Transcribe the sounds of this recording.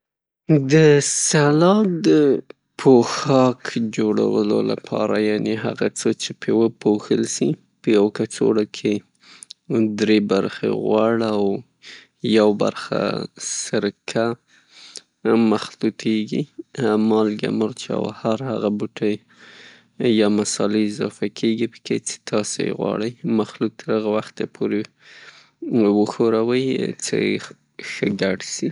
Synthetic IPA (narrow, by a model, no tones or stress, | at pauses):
d̪əsalɑd̪ə | pʰoxɑkd͡ʒoɽa̰wəlo̰la̰pʰɑ̰ɾajaneɦa̰ɣat͡sət͡ʃepʰewəpʰoxəlsi | pəjawkat͡so̰ɽakʰe | d̪ɾebaɾxḛɣwɑɽaw | jawba̰ɾxa̰səɾkʰa | maxlut̪ʰeɡḭmɑlɡa̰məɾt͡ʃa̰wahaɾhaɣabuʈəj | jɑmasɑleɪzɑfakʰeɡipə̥ket͡se̥t̪ʰɑsojḛɣwɑ̰ɽəjmaxluk̚t̪ʰəɾaɣawaxt̪epʰoɾe | wəxoɾawəjt͡sə̰je | xəɡaɖsi